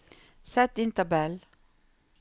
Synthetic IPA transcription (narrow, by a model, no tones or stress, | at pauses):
sɛt̪ɪnt̪əbɛl